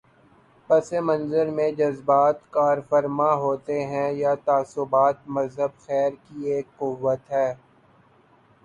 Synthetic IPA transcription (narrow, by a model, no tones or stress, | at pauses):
pɐsemɐ̃nzəɾmẽd͡ʒɐzbaːt̪kaːɾfəɾmaɦoːt̪eɦɛ̃jat̪aːsʊbaːt̪̚mɐzɦəbxɛːɾkieːkqʊʋːət̪ɦɛː